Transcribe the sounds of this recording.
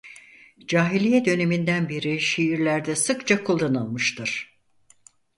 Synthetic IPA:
d͡ʒaːɦilʲijɛd̪ø̞ne̞mind̪ænbiɾiʃiːɾlʲæɾd̪ɛsɯkt͡ʃʰakʰulˠːanɯlˠmɯʃt̪ʰɯɾ̥

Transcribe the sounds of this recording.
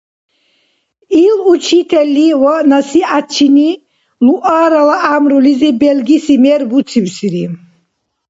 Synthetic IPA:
ilut͡ʃʰit̪ʰɛlːiwɔnasiʔat͡ʃʰini | luʔaːɾalaʔamɾulizibɛlɡisimɛɾbut̪t͡sʰibsiɾi

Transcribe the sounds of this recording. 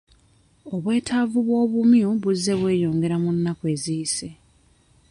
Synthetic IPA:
o̞βwe̞ːtʰavuβwo̞ːβumjuβuzːe̞βwe̞ːjo̞ːŋɡe̞ɾamunːakwe̞ːziise̞

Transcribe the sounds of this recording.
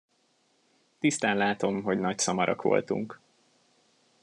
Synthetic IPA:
t̪ist̪aːnlaːt̪o̞mɦo̞ɟnɒcsɒmɒɾʔɒ̰kʋo̞̰lt̪ṵŋk

